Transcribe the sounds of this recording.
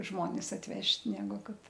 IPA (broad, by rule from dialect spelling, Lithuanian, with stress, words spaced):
ˈʒmoːnʲɪs ɐtʲˈʋʲɛʃʲtʲ ˈnʲæːɡʊ ˈkɐt